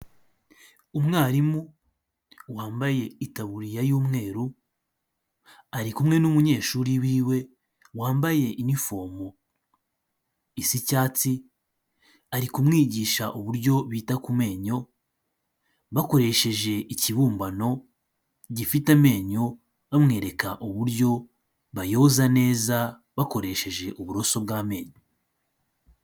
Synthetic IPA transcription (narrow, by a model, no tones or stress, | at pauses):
umŋaːɾimu | waːmbaje̞itaβuɾijajuːmŋe̞ːɾu | aɾikumŋe̞numuɲe̞ːʃuːɾiwiːwe̞ | waːmbaje̞ʔinifo̞ːmo | isicaːt͡si | aɾikumŋiːɟiːʃaʔoβuɾjo̞βiːtakume̞ːɲo̞ | βako̞ɾe̞ʃe̞ʒe̞iciβuːmbano̞ | ɟifitame̞ːɲo̞ | amŋe̞ːɾe̞kaʔuβuɾjo̞ | βajo̞ːzane̞ːza | βako̞ɾe̞ʃe̞ʒe̞ʔuβuɾo̞so̞b̚ɡaːme̞ːɲo